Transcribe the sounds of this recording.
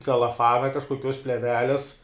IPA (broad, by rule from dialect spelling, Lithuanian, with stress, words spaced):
t͡sʲɛlˠɐˈfɑːnɐ kɐʃkoːˈkʲoːs pʲlʲɛˈʋʲæːlʲɛs